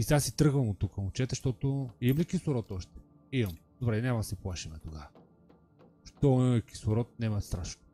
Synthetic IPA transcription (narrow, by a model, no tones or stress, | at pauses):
isasit̪ɾɤɣvɐmot̪ːukəmʊt͡ʃɛt̪ɛʃt̪ɔt̪ʊimlikisʊɾɔt̪ɔʃt̪ɛ̥ | imɐmd̪obɾɛnʲaməsiplˠaʃimɛt̪oɡa | ʃt̪ɔiiki̥sʊɾɔt̪̚nɛmɐt̪st̪ɾaʃno